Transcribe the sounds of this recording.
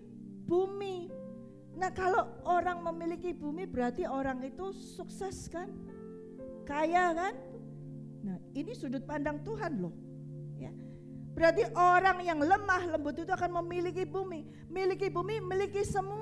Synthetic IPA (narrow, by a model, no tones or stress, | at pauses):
b̥umi | nahkalooɾaŋməmilikibumibəɾart̪ioɾaŋit̪u | suksɛskan | kajakan | nahinisudʊt̪̚pandaŋt̪uɦanlɔh | ja̰ | b̥əɾart̪iʔoɾaŋjaŋləmahləmbʊt̪it̪uakanməmilikibumi | milikibumimilikisəmu